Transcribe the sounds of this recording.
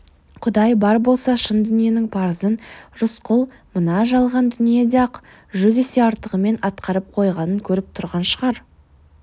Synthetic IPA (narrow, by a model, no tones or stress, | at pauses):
qʰʊd̪ɑjbɑɾbo̞lˠsɑʃənd̪ʏnije̞nɪŋpʰɑɾəzənʒʊsqʰʊlˠ | mənɑʒɑlˠʁɑnd̪ʏnije̞d̪ɑq | ʒʏzese̞ɑɾt̪əʁəme̞nɑt̪qʰɑɾəp̚qʰo̞jʁɑnəŋkʲʰɵɾɪp̚t̪ʰʊɾʁɑnʃəʁɑɾ